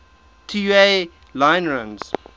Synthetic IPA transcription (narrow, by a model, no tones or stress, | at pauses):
tʰijue | lãɪ̃nɹãnz̥